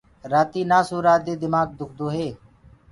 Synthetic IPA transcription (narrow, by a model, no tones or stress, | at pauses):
ɾaːt̪iːnaːsuːɾaːd̪eːd̪ɪmaːɡ̚d̪ʱʊk̚ʰd̪oːɦeː